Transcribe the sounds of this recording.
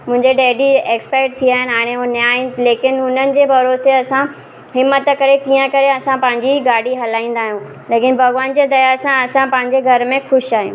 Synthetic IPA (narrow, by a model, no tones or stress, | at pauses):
mʊ̃ɦɪ̃ɲd͡ʑeɖeːɖieːkspɛːkʈ̚t̪ʰiaːɦɪnɪaːɽ̃eɦonjaːileːkɪnʊn̤ənɪ̆d͡ʑeːbʱɐɾoːseɐsã | ɦɪmːət̪kɐɾekiːə̃kɐɾeɐsãpɐ̃ɦɪ̃ɲd͡ʑiɡaːɽiɦɐlaːĩːn̆d̪aːɦijũː | leːkɪn̆bʱɐɣʋaːnd͡ʑeːd̪ɐjasãɐsãpɐ̃ɦɪ̃ɲd͡ʑeɡʱɐɾmẽxʊʃaːɦijṵ̃ː